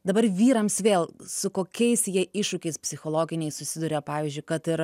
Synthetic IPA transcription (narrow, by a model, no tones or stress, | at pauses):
d̪ɐbɐɾʋʲiːɾɐmsʋʲeːlˠsʊkoːkʲɛɪsjiɛʔɪʃʃʊkʲɛɪspʲsʲɪxoːlˠoːɡʲɪnʲɛɪsʊsʲɪd̪uɾʲɛpɑːʋʲiːzʲd͡ʒʲʊɪkɐt̪ɪɾ